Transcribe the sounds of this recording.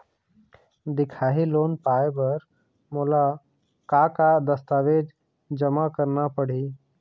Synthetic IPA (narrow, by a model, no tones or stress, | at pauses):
d̪ɪkʰaːɦiloːnpaːebəɾ | moːla | kakad̪əst̪aːʋeːd͡ʒ | d͡ʒəmakəɾnapəɽ̤iː